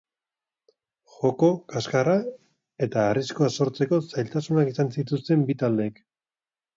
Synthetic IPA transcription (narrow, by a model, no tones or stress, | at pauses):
xo̞ko̞kaskara | e̞t̪aːriskoaso̞ɾt͡se̞ko̞sajlt̪asunakisansit̪ust̪e̞mbit̪ald̪e̞ːk